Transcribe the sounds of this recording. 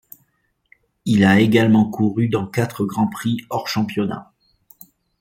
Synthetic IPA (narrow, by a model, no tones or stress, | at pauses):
ilaeɡalmɑ̃kuʁyd̪ɑ̃kat̪χəɡʁɑ̃pχiɔʁʃɑ̃pjɔna̰